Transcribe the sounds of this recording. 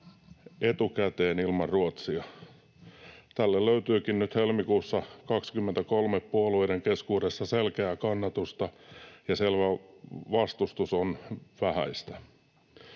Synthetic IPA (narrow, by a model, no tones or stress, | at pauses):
et̪ukæt̪eːnilmɑrruot̪siɑ | t̪ælːelløyt̪yːkinnyt̪helmikuːsːɑkɑkskymːent̪ækolmeppuoluideŋkeskuːdesːɑselkeækɑnːɑt̪ust̪ɑjɑselʋæʋɑst̪ust̪usonʋæhæ̰ist̪æ